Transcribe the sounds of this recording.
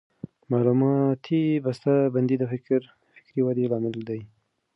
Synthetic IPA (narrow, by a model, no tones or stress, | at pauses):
mɑlumɑt̪ʰibast̪aband̪id̪əfɪkɾ | fɪ̥kɾiwad̪ilɑmɪld̪aj